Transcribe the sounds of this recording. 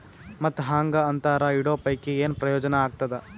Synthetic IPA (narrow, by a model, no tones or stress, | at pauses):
mɐt̪ːɦaːŋɡɐɐnt̪aːɾɐiɽoːpɐjkeeːnpɾɐjɔːd͡ʒɐnɐaːɡ̚t̪ɐd̪e